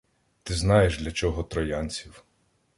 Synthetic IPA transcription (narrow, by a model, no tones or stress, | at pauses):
t̪ɪznɑjeʒd̪lʲɐt͡ʃɔɦɔt̪ɾɔjanʲt͡sʲiw